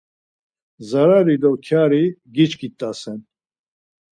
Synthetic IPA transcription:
zaɾaɾid̪ɔkʰjaɾiɡit͡ʃkʰit̪ʼːasɛn

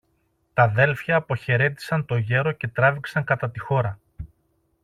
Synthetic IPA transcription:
t̪ɐðe̞lfçɐːpo̞çe̞ɾe̞t̪i̥sɐnt̪o̞ʝe̞ɾo̞ce̞t̪ɾɐviksɐŋkɐt̪ɐt̪ixo̞ɾɐ

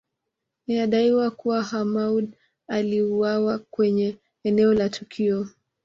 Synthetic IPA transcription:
inaɗaiwakuwahamauɗ | aliuwawakwɛɲɛː | nɛɔlatʰukʰiɔ

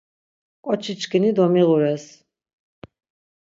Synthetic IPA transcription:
kʼɔt͡ʃʰit͡ʃkənid̪ɔmiʁuɾɛs

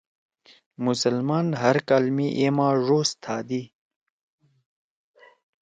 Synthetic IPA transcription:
mʊsəlmɑːnɦaɾkalmiʔemaːʐoːst̪ʰɑːd̪i

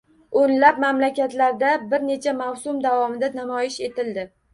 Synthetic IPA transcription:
onlap̚mamlakʲat̪laɾd̪abɪɾne̞t͡ʃʰamawsʊmd̪avɒmɪd̪anamɒjɪʃe̞t̪ʰɪld̪ɪ

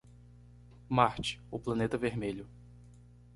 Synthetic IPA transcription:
maɾt͡ʃɪ̥ʊplɐ̃net̪ɐveɾmeʎʊ

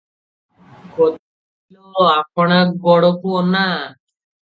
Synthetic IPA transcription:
kot̪ | ilɔapɔɽ̃aɡɔɽɔkona

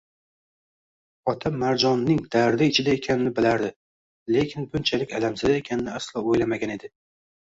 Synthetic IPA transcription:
ɒt̪ʰamːaɾd͡ʒɒnːɪŋd̪̥aɾd̪ɪɪt͡ʃʰɪd̪ae̞kʲʰanɪnɪbɪlaɾd̪ɪ | le̞kʲʰɪnbʊnt͡ʃʰalɪkʲalamsɪd̪ae̞kʲʰanɪnɪaslˠɒojlamaɡʲane̞d̪ɪ

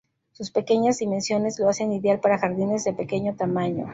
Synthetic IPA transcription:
suspe̞ke̞ɲazðimẽ̞nsjo̞ne̞zlo̞ase̞niðjalpaɾaxaɾðine̞zðe̞pe̞ke̞ɲo̞t̪amaɲo̞̰

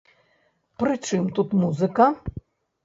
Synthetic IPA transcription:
pɾɨt͡ʂɨmt̪ut̪muzɨkɐ

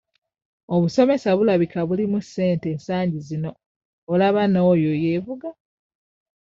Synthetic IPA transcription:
oβuso̞me̞saβulaβikaβulimuse̞ːnte̞ːnsaːɲɟizino̞ː | laβanojoje̞ːvuɡa

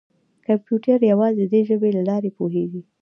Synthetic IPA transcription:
kampjuʈaɾjawɑzed̪əd̪eʒəbelalɑɾepoɦeɡi

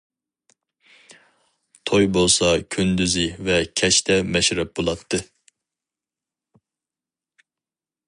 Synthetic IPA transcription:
t̪ʰojbolˠsɑkʲʰønd̪yzɪvɛkʲʰɛt͡ʃt̪ʰɛmɛʃɾɛp̚bolˠɑt̪ʰːɨ

